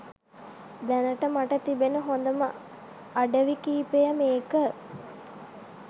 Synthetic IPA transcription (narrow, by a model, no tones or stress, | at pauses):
d̪ɛnəʈəmaʈət̪ibenəɦond̪əmə | aɖəʋikiːpejəmeːkə